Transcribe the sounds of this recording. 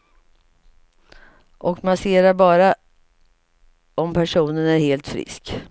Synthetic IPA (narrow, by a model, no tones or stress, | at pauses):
ʔɔkmaseːɾaɾbɑːɾa | ɔmpʰæʂuːnənæɾheːlt̪fɾɪ̰sk